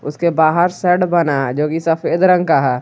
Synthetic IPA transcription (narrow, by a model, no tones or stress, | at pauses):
ʊskebaːɦəɾsɛʈbɐnaɛd͡ʒoːkisɐpʰeːd̪ɾə̃ŋɡkaɦɛː